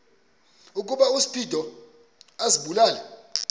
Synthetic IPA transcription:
uk̬ʼuɓausi̥pʰʼidʱɔ | asiɓulaːlɛ

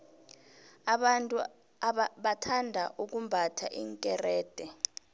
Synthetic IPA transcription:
tʼ | ɓatʰandʱaʔuk̬umbʱatʰa̰ʔiːŋkʼɛrɛːd̥ʱɛ

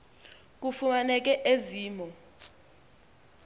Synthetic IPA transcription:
k̬ufumanɛk̬ʼɛʔeziːmɔ

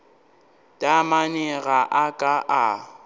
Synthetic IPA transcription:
tʼamanɛɣaʔakʼaʔa

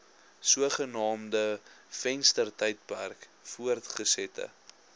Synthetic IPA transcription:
suəχənɑːmdəfɛnstərtɐjt̚pærkfuərtχəsɛtə̰

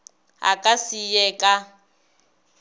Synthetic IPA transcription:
ɦa̰kʼasijɛkʼa

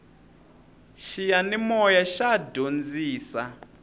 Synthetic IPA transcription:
ʃijanimɔjaʃadond͡ziːsa

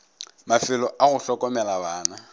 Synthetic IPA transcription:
mafɪlɔʔaɣʊɬɔkʼɔmɛlabaːna

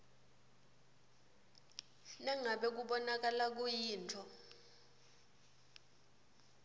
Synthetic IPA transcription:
nɛŋaɓɛk̬uɓɔnak̬ʼalak̬ujiːntʰɔ

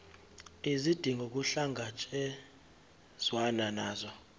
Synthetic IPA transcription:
izid̥ʱiŋɡʱok̬ʼuɬaŋɡʱat͡ʃʼɛ | z̥wananaːzɔ

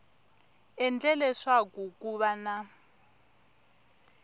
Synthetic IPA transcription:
ɛnd͡ɮʼɛlɛʂakukʼuβana

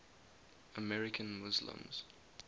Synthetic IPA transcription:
əmɛɹɪkʰə̃nmʊzlə̰̃mz̥

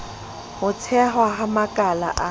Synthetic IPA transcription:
hʊtʰɛɦwaɦamakʼala̰ʔa

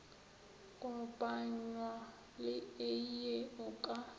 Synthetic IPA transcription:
kʼɔpʼaɲwa | lɪɪjeʊkʼa

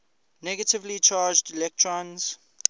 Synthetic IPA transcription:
nɛɡətɪvlit͡ʃʰaːd͡ʒdilɛk̚tʰɹɔ̃nz̥

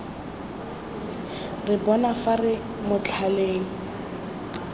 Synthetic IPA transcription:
rɪbɔnafarɪ | mʊt͡ɬʰaleːŋ̩

